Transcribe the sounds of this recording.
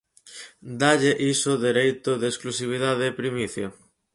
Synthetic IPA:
d̪aʎeʔisʊðeɾejt̪ʊðesklusiβ̞iðaðeːpɾimiθjo

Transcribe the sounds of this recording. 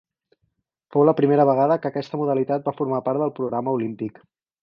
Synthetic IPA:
fowləpɾimeɾəβəɣ̞aðəkəkɛst̪əmuð̞əlit̪at̪̚bafuɾmapaɾt̪ðəlˠpɾuɣɾaməulimpik

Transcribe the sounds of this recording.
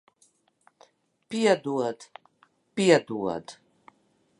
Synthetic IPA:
piad̪uad̪ | pijad̪ua̰d̪

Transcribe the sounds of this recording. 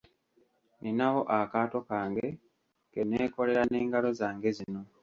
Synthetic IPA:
ninawo̞ʔakaːto̞kaːŋɡe̞ | keneːko̞le̞ɾane̞ːŋɡalo̞zaːŋɡe̞zino̞

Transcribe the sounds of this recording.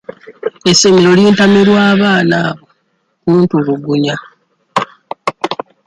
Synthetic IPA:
esːe̞meɾo̞liːntameɾwaːβaːnaːβo̞ | kuːntuβuɡuɲa

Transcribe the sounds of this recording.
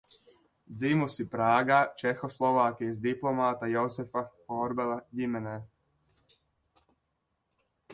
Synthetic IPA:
d̪zimusipɾaːɡat͡ʃexoslˠoʋaːkiizd̪iplˠomaːt̪ajozefafoɾbelaɟimene

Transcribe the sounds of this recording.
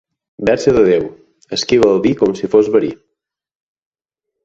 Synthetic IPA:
bɛɾsəðəðew | əskiβəlˠβikɔmsifozβəɾḭ

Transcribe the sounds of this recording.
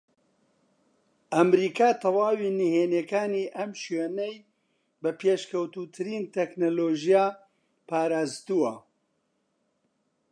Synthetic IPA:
ʔɐmɾiːkaːt̪ʰɐwaːwiːniheːneːkaːniːʔɐmʃweːnej | bɐpʰeːʃkɐwt̪uːt̪ʰɨɾiːnt̪ʰɛknoːloːʒijaː | paːɾaːzt̪uwɐ

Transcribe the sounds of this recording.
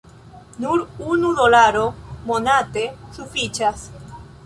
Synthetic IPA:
nuɾunuðolaɾomonat̪esufit͡ʃas

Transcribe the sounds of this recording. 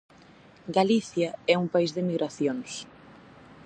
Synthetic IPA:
ɡaliθjaɛuŋpaizðɪmiɣɾaθjoŋs

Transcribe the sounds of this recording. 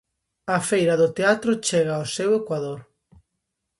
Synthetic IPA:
ɐfejɾɐðʊt̪eat̪ɾʊt͡ʃeɣaosewekwaðoɾ

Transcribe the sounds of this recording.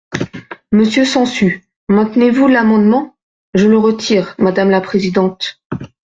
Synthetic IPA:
məsjøsɑ̃sy | mɛ̃t̪nevulamɑ̃d̪mɑ̃ | ʒələʁət̪ʰiʁmad̪amlapχezid̪ɑ̃t̪

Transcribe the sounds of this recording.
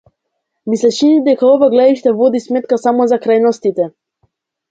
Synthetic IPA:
mislɛʃinid̪ɛkaɔvaɡlɛd̪iʃt̪ɛvɔd̪ismɛt̪̚kasamɔzakɾajnɔst̪it̪ɛ

